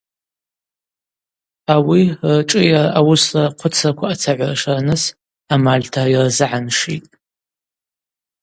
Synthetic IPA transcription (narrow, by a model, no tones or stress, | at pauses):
awirʈ͡ʂʼɨjarʔawʊsraqʷʰʊt͡sʰakʷʰaːt͡sʰaʕʷaraʂaranɨs | amalʲtʰairzɨʕanʂitʼ